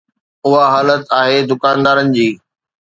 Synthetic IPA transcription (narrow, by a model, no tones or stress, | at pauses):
ʊɦaɦaːlət̪aːɦed̪ʊkaːnd̪aːɾənɪ̆d͡ʑiː